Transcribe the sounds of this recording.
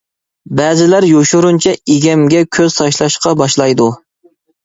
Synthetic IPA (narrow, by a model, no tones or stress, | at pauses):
bɛzɪlæɾjoʃuɾunt͡ʃʰɛeɡʲɛmɡʲɛkʲʰøz̥t̪ʰɑʃlˠɑʃqɑbɑʃlˠɑjd̪u